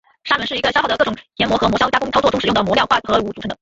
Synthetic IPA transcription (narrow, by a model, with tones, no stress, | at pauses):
ʂa˥mə˧˥ʂɻ̩˥˩i˧˥ɡə˧ɕjxdə˧kɤ˥˩ʈ͡ʂʊ˨˩ŋjɛ˧˥nmwɔ˧˥xɤ˧˥mwɔ˧˥ɕjʊt͡ɕja˥kʊ˥ŋtʰʊt͡swɔ˥˩ʈ͡ʂʊ˥ŋʂ̩˨˩ʊ˥˩ŋd̪ə˩mwɔ˧˥jɑ˥˧ʊxwa˥˩xɤ˧˥u˧˥˩t͡su˨˩ʈ͡ʂʰŋd̪ə˧